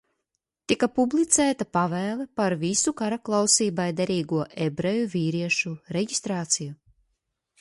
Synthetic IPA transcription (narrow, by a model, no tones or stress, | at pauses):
t̪ikapublˠit̪sæːt̪apavæːlˠepaɾvisukaɾaklˠawsiːbajd̪eɾiːɡuɔʔebɾejuviːɾiɛʃuɾeɟist̪ɾaːt̪siju